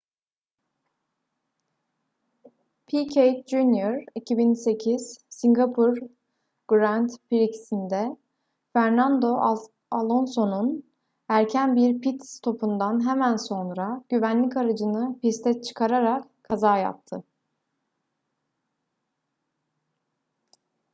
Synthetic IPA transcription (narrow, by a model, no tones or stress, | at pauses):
pʰicʰejt̪d͡ʒunjoɾicʰibinse̞cʰiz̥siŋɡapʰuɾ | ɡ̥ɾant̪piɾicsind̪ɛ | fæɾnand̪o̞ | alˠo̞nso̞nun | æɾcʰænbiɾpʰit̪st̪ʰo̞pund̪anɦɛmænso̞nɾaɟ̥yvænlʲicaɾad͡ʒɯnɯpist̪ʰɛt͡ʃʰɯ̥kʰaɾaɾak | kʰːazaːja̰p̚t̪ʰɯ